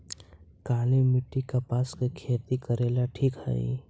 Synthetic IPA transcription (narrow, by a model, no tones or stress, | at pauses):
kaːnemɪʈːikapaːskekʰeːt̪ikəɾeːlaʈʰiːkhɛ̰ḭ